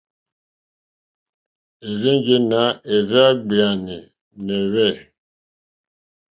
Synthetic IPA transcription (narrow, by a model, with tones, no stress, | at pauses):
e˨ɾe˦ŋɡe˦na˨˦e˨ɾa˦ɡ͡bi˨a˨ni˨ | ne˨βɛ˦˨